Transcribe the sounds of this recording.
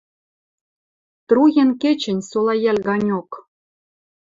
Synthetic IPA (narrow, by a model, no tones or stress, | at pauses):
t̪rujenkĕt͡ɕɘ̆nʲsolˠɑjælʲɡɑnʲok